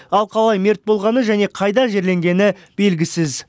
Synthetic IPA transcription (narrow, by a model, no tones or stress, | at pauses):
ɑlˠqʰɑlˠɑjme̞ɾt̪̚bo̞lˠʁɑnəʒæne̞qʰɑjd̪ɑʒe̞ɾle̞ŋɡʲe̞nɪ | b̥e̞lɡʲɪsɪz